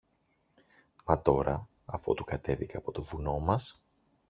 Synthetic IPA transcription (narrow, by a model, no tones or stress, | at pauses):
mɐt̪o̞ɾɐ | ɐfo̞̰t̪ukɐt̪e̞viceɐpo̞t̪o̞vuno̞mɐs